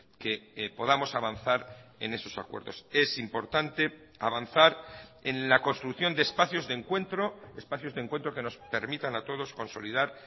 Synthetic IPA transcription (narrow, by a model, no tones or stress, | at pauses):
ke̞po̞ðamo̞saβanθaɾe̞̰ne̞so̞̥sakwe̞̰ɾðo̞̰se̞simpo̞ɾt̪ant̪e̞aβanθaɾenlakonst̪ɾukθjond̪eːspaθjo̞zðeŋkwe̞nt̪ɾo̞espaθjo̞zðe̞ŋkwe̞nt̪ɾo̞ke̞no̞spe̞ɾmit̪anat̪o̞ð̞o̞sko̞nso̞̰liðaɾ